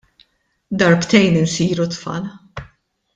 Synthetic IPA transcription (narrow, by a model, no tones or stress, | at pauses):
d̪ɐɾpt̪ɛjnɪnsiːɾut̪fɐ̰l